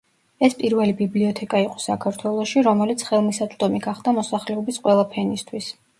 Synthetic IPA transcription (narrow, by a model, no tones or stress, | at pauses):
ɛspʼiɾvɛlibibliɔt̪ʰɛkʼaiqʼɔ̥sakʰaɾt̪ʰwɛlˠɔʃiɾɔmɛlit̪sʰχɛlˠmisat̪ʼd̪ɔmiɡaχd̪amɔsaχlɛɔbisqʼwɛlˠapʰɛnist̪ʰwis